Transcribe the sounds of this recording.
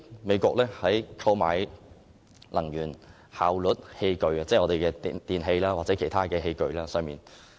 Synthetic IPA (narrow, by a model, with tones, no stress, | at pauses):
me˨˧jkʷɔː˧k̚lɛː˥hɐ˨˥jkʰɐ˧wma̰ː˨j | lɐ˨˩ŋjyː˨˩n | haː˨wlɵ˨˥t̚he˧jkɵ˨˧ɥɐ˨˧t͡sɛː˥˩ŋɔː˨˧t̪e˨jkɛː˧t̪iː˨nɦe˧jlaː˥waː˨k̚t͡sɛː˨˥kʰe˨˩jt̪ʰaː˥kɛː˧ɦe˧jkɵ˧ɥlaː˥sœː˧ŋmiː˨n